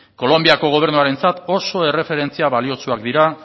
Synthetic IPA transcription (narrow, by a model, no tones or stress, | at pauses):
ko̞lo̞mbiako̞ɣ̞o̞β̞e̞ɾnuaɾe̞nt͡sat̪o̞so̞e̞re̞fe̞ɾe̞nt͡siaβalio̞t͡suakd̪iɾa